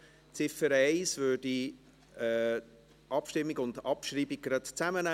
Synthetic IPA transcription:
t͡sɪfəɾɛɪsvøːd̥i | ɛ | ʔɑpʃtɪmːiɡʊndɑpʃɾiːbiɡ̚ɡɾɑtt͡sæmənæ

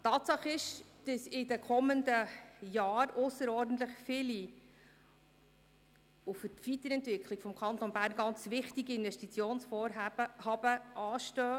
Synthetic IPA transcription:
tɑːt̪sɑχɪʃd̥əsɪdəkʰɔməndəjɑːɾʊsəɾɔːɾdn̩t̪ləχfɪli | ufətʋit̪əɾɛntvɪkʰlikfɔmkʰɑnt̪ɔnbæːɾnɡɑnt͡svɪχtiɡiɪnvɛʃtit͡sjoːnsfɔːɾɦæːb̥əhɑb̥əʔɑːʃtøː

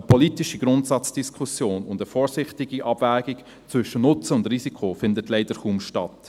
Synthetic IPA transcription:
əpʰɔliːtiʃiɡ̥ɾʊntsɑt͡sd̥iskʰχusjoːnʊndəfɔːɾsɪχtɪɡiʔɑb̥væːɡik | t͡sʋʏʃənʊt͡səʊndrisikʰofɪndətlɛɪd̥əɾχuːmʃtɑt

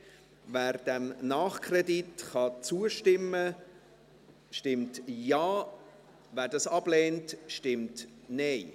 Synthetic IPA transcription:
væːɾd̥ɛmnɑːχkʰrɛditχɑt͡suəʃtɪmːə | ʃtɪmtjɑː | væːɾdɑsɑb̥lɛːntʃtɪmtneɪ

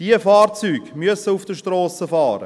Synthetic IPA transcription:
d̥iəfɑːrt͡syːɡmyəsəufd̥əʃtrɔːsəfɑːɾə̰

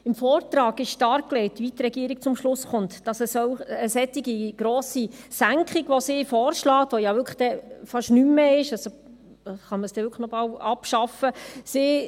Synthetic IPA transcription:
ɪmfɔːɾtɾɑːɡɪʃʃtɑɾkkːlɛɪtʋit̪ɾɛɡiːəɾik̚t͡sʊmʃlʊsχʊntd̥ɑsəsɔwəsɛtiɡiɡ̥ɾoːsisæŋkχiɡʋɔsɪːfɔːɾʃlɑːt̪ʋojɑʋʏɾkʰχd̥ɛfɑʃnymːɛɪʃɑso | χɑnməsd̥ɛʋʏɾkχəχnɔbɑlɑpʃɑfəsɪː

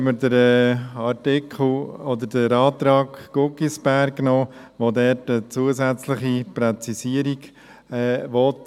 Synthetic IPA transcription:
məɾdəɾɛɑɾtɪkʰl̩ɔd̪əɾdəɾɑːt̪ɾɑːkɡ̥ʊɡisb̥æɾɡnoːʋodɛɾtət͡suəsɛt͡slɪχipɾɛt͡sisiəɾiɡ | ɛːʋɔt

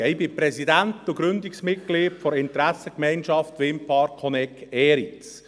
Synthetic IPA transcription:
ɛɪbipɾɛsidænt̪uɡ̥ɾʏnd̪iksmɪt̚ɡ̥liːtfɔɾɪntɾæsəkmɛɪnʃɑft̪ʋɪmpʰɑːɾkʰɔnɛkːɛːɾit͡s

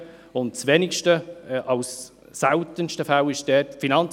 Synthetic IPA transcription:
ʊnt̚t͡sʋenɪkʃtəʔɑlsː | æltənʃtəfæwɪʃd̥ɛːtfinɑnt͡s

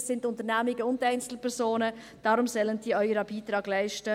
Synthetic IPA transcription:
sɪntʊntəɾnæmɪɡəʊndæɪnt͡sl̩pʰɛɾszoːnə | d̥ɑːɾʊmsœlənd̥iːœʏəɾəbiːtɾɑːɡlæɪʃtə

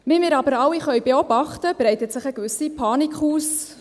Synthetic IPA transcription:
vimɪːɾɑbəɾɑwiχœɥbeɔb̥ɑχtəb̥rɛɪtətsɪχɛɡʋʏsipʰɑːnikχuːs

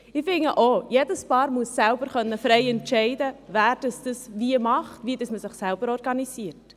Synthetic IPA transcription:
ɪfɪŋəʔoːjedəspɑːɾmuəsːælbəɾχœnːəfɾɛɪɛntʃɛɪdəvæːɾd̥əsd̥əsviəmɑχtʋiːdəsməsɪχsælbəɾɔɾɡɑnisiəɾt

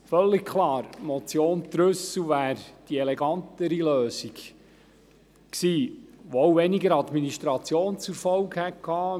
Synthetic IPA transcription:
fœlːɪkkʰlɑːɾmɔt͡sjoːntɾʏswʋæːɾd̥iɛlɛɡɑnt̪əɾiløːsik | ksiːʋoowʋɛniɡəɾɑd̪miniʃt̪ɾɑt͡sjoːnt͡suɾfɔwɡhɛtkʰːɑː

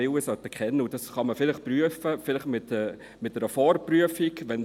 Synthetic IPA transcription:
ɪwəsœt̪əkχɛnːəud̥ɑsχɑməfɪlɪχpryəfəfɪləχmɪt̪ɛ | mɪt̚nɛɾəfɔɾpryəfikʋɛn

